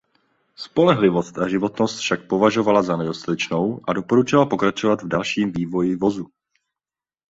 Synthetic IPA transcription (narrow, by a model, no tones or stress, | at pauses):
spo̞lɛɦlɪvo̞st̪aʒɪvo̞t̪nost̪fʃak̚po̞vaʒo̞valazanɛdosalɛt͡ʃno̞wʔado̞poɾut͡ʃɪlapo̞kɾat͡ʃo̞vat̪vdalʃiːmviːvo̞jɪvo̞zu